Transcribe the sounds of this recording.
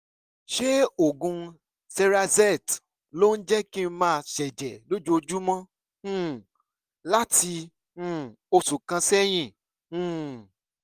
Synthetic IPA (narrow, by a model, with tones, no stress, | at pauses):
ʃe˦o˦˨ɡũ˧ | sɛ˧ɾa˧zɛ˦˨t | lo˦n̩˦d͡ʒɛ˦ki˦mãː˦˧˨ʃɛ˨d͡ʒɛ˨lo˦d͡ʒu˦o˧d͡ʒu˦mɔ̃˦ | la˦tĩ˧˦˨ | o˧su˨kã˧sɛ˦j̃ĩ˦˨˦